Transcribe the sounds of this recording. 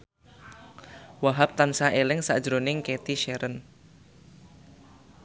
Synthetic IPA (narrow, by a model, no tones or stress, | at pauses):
waɦap̚t̪ansaʔelɪŋsa̰d̥ʒ̥ɾonɪŋket̪iʃɛɾən